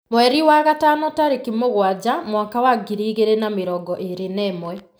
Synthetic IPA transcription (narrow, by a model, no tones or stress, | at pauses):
mwɛɾiwaɣatanɔtaɾekimoɣwad͡ʑamwaŋkawaɡiɾiːɣeɾenameɾɔɡɔʔeɾenɛːmwɛ